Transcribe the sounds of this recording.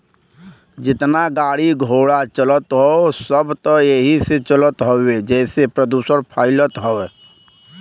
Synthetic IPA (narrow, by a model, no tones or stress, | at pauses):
d͡ʒɪt̪naɡaːɽiɡʱoːɽat͡ʃələt̪ɦosəbt̪ɔjeɦiset͡ʃələt̪ɦoed͡ʒɛːsepɾəd̪uːsəɾpʰaːɪlət̪ɦoe